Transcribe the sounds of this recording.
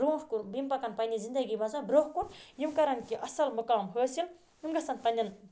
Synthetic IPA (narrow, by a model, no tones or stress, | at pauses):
ɾũfʰkuɾbimpɐkanpɐjnʲizind̪ɐɡibɐzabɾoɦkuɾjimkɐɾɐnkiʔɐsɐlmukawɐmɦəːsil | jimɡɐsɐnpɐnʲːɐn